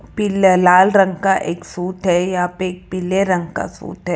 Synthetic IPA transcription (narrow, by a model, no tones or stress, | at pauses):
pɪllaːlɾɐ̃ŋɡkaʔeːksuːt̪ɦɛjaɦaːpeːk̚pɪlːeɾɐ̃ŋɡka̰sṵːt̪ɦɛ